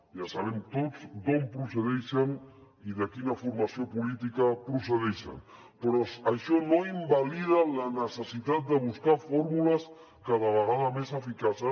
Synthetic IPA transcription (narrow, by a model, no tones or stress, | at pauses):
ʒasaβ̞ɛmt̪od͡zd̪ompɾusəðɛʃən | iðəkinəfuɾmɐsiopulit̪ikəpɾusəðɛʃə̰n | pɾɔəʃɔnoimbaliðələnəsəsit̪at̪̚d̪əβ̞uskafoɾmuləs | kəðəβəɣaðəmesəfikasə